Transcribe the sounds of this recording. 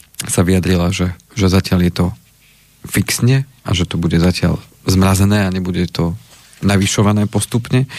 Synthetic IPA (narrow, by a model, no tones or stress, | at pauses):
saʋiad̪ɾilaʒɛ | ʒɛzacɪaljɛt̪ɔ | fiksɲɛ | a̰ʒɛt̪ɔbuɟɛzacɪa̰ʎ | zmɾazɛnɛːaɲɛbuɟɛt̪ɔ | naʋiʃɔʋanɛːpɔst̪upɲɛ